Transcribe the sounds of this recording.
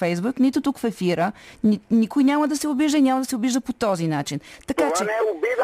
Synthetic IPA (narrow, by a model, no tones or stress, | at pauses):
fɛjzbuknit̪ʊt̪ukfɛfiɾəninikojnʲaməd̪ɐsɛʊbiʒd̪əinʲamɐd̪ɐsɛʊbiʒd̪əpot̪ɔzinat͡ʃint̪ɐkat͡ʃɛi